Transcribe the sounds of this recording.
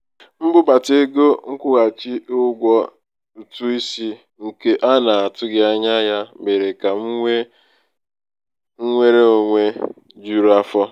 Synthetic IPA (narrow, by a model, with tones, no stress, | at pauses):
m̩˦bʊ˦ba˨te˦ɡo˦ŋ̩˦kʷʊ˦ɣa˨t͡ʃi˦ʔʊ˦ɡʷɔ˦ | u˨tu˦i˦si˦ | ŋ̩˨ke˦ʔa˦na˨a˨tʊ˦ɡɪ˦a˦ɲa˦ja˦me˨ɾe˨ka˨ŋ̩˦e˦ | ŋ̩˦ŋʷe˦ɾe˦o˨ŋʷe˦ | d͡ʒu˦ɾa˦fɔ˦